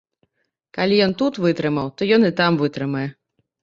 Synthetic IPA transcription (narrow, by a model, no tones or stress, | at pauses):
kalʲijɔnt̪ut̪vɨt̪ɾɨmɐwt̪ɔjɔnit̪amvɨt̪ɾɨmɐjɛ